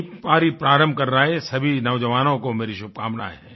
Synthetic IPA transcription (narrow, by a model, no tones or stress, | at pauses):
paːɾipɾaːɾə̃mbʱkɐɾːaːɦɛsɐbʱinɐʋd͡ʒəʋaːnõkomeːɾiʃʊb̚kaːmna̰ːɦɛː